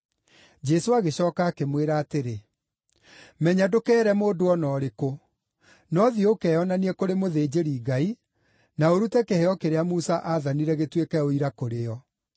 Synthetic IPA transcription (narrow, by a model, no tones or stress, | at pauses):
d͡ʒɛsoaɣeɕɔːkaːkemweɾaːteɾe | mɛɲadokɛːɾɛmoːdoɔnɔːɾeko | nɔðiɔokɛːɔnaniɛkoɾemoðeːd͡ʑeɾiːɡai | naoɾutɛkehɛɔkeɾeamusaʔaːðaniɾɛɣetwekɛoiɾakoɾeɔ